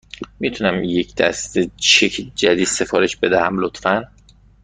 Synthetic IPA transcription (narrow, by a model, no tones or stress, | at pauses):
miːt̪ʰunæmjecʰd̪̥æ̰st̪et͡ʃʰecʰd͡ʒæd̪iːd̪se̞fɒːɾeʃbe̞d̪æhæmlot̪fæn